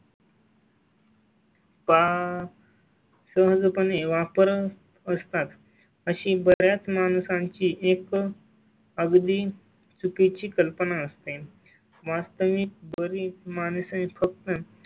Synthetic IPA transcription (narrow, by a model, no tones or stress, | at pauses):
pa | səɦəd͡zpəneʋapəɾ | əst̪at̪ | əɕĩbəɾjat͡smanusãɲt͡ɕiːʔek | əɡd̪iː | t͡supit͡ɕiːkəlpənaəst̪e | ʋast̪əʋik̪bəɾimansə̃fək̚t̪ə